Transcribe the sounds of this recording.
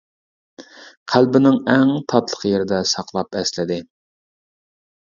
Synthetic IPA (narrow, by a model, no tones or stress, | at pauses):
qʰælbɪnɪŋɛŋt̪ʰɑt̪lˠə̥qjeɾɪd̪ɛsɑqlˠɑpɛslɪd̪ɪ